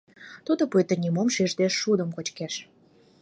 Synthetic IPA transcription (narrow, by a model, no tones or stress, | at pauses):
t̪ud̪ŏpuet̪ə̆nʲimomʃeʒd̪eʃːud̪ə̆mkot͡ɕkeʃ